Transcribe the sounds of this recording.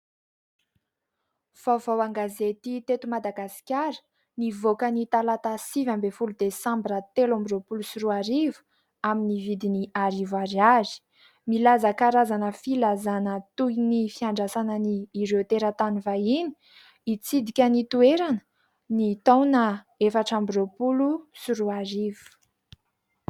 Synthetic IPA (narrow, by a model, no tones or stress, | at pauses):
v̥awvawaŋɡazet̪it̪et̪umad̪aɡasi̥kʲaɾə̥ | nivokənit̪alat̪asivambefulud̪esãmbɾət̪elambiropulusuruaɾivu̥ | aminivid̪iniaɾivaɾiazi̥ | milazakaɾazanəfilazanət̪ujnifiaɳɖ͡ʐasanəniːɾet̪eɾət̪anivaini̥ | it͡sid̪ikʲənit̪ueɾanə̥ | nit̪awnə | efaʈ͡ʂambiropulusuɾuaɾivu̥u̥